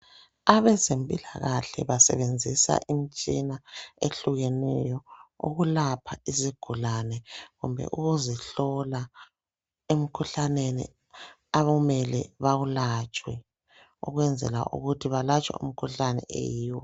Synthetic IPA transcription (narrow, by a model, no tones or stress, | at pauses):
aβɛzempʼilaɣaɬɛ̰βasɛ̰βend͡zʱisa̰ʔimit͡ʃʼinaeɬuɣɛnɛjɔṵɣulapʰaiziɡ̥ʱulanɛɣumbʱɛ̰ʔuɣuziɬɔla | em̩kʰuɬanenḭ | aβmɛlɛ̰βaɣulat͡ʃʼwɛ | ṵɣwɛnd͡zʱɛ̰la̰ʔṵɣutʰiβalat͡ʃʼwa̰ṵm̩kʰuɬanɛ̰ʔḛjiːwɔ